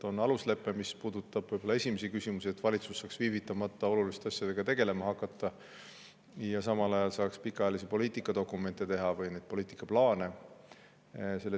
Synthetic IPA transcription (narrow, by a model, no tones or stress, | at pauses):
o̞nɑlusle̞pːˑemispuːd̪ut̪ːˑɑb̥ɯjbolːɑe̞sʲimesikysʲimusie̞t̪ːvɑlʲit̪su̥sːɑːksviːvit̪ːˑɑmɑt̪ˑːɑo̞lulist̪eɑsjɑd̪e̞ɡ̥ɑt̪e̞ɡe̞le̞mɑɦɑkːˑɑt̪ˑːɑ | jɑsɑmɑlɑjɑlsɑːkspikːˑɑeɑlisepo̞liːt̪ˑikːˑɑd̪o̞kːˑume̞nt̪ːˑe̞t̪e̞ɦɑvɯjned̪̥̚po̞liːt̪ikːˑɑplɑːne̞ | se̞lːe